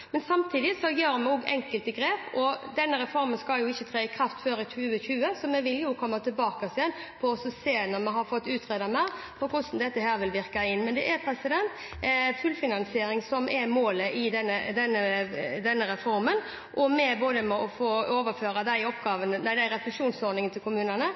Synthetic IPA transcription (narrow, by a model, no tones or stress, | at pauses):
mɛnsɑmt̪ʰiːd̪ɪsɔjøːɾmɛoːɡɛ̰ŋkəlt̪əɡɾeːpɔd̪ɛnːəɾɛfɔɾmənskɑljʊɪçːət̪ʰɾɛːɪkʰɾɑft̪føːɾɪçʉːəçʉːəsɔmɛʋɪljʊkʰɔmːɑt̪ʰɪlbɑːkɑsɪɛnpʰɔɔsɔseːnɔmɛɦɑɾfɔt̪ːʉːt̪ʰɾeːd̪ɑmæpʰɔkʰʊsn̩d̪ɛt̪ːəɦæːɾʋɪlʋɪɾkɑɪnːmɛnd̪ɛʔɛɾpʰɾɛsɪd̪ɛnt̪ | fʉlfɪnɑnsɪeːɾɪŋsɔmʔɛɾmoːləʔɪd̪ɛnːəd̪ɛnːəd̪ɛnːəɾɛfɔɾmən | ʔɔmɛboːd̪əmɛɔfoːoːʋəɾføːɾɑd̪æɪɔpɡɑːʋənənæɪd̪æɪɾɛslʉʂuːnsɔɾd̪nɪŋənt̪ʰɪlkʊmʉːnənə